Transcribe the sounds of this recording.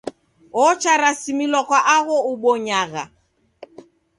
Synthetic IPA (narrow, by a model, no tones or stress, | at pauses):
ɔt͡ʃaɾasimilwɔkwaʔaɣɔuɓɔɲaɣa